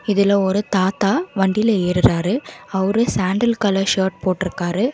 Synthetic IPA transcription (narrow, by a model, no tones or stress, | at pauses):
ɪðɪlɐɔɾɯt̪aːt̪aːʋɐɳɖɪlɐeːɾɯɾaːɾɯɐʋɾɯsaːɳɖɐlkɐlɐʃoːʈ̚poːʈːɪɾɯkːaːɾɯ